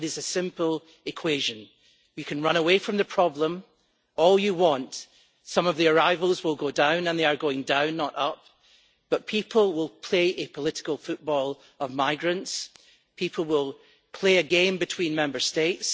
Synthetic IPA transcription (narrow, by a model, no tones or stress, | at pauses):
ɾɪzɨsɪ̃mpəl̩ˠ | ɪkʰw̥eʒɨ̃n | jɨkʰɨ̃nɹʌ̃ñəwefɹə̃mðəpʰɹ̥ɔblˠə̃m | ɔlˠjɨwɔ̃nt | sʌ̃mʌvðiə˞aɪvəlˠzwɪlˠɡodãʊ̃nə̃nðeə˞ɡoɪ̃ŋdãʊ̃nːəʔʌp̚ | b̥ʌʔpʰipʰəl̩ˠwɪlˠpʰl̥eʔɨpʰəlˠɪʔɪ̥kəlˠfʉʔb̥ɔlˠ | əvmaɪɡɹə̃nts | pʰipʰəl̩ˠwɪlˠ | pʰl̥eɨɡẽmbɨtʰw̥ĩnmɛ̃mbə˞stets